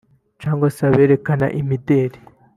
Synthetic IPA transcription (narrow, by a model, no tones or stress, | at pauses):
t͡ʃaːŋɡwasaβe̞ːɾe̞kana̰ʔimideːɾi